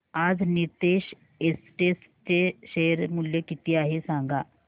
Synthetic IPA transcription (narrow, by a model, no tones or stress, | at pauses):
ad͡znit̪eɕ | esʈes | t͡seɕejɾmuljekit̪iːaɦesãŋɡa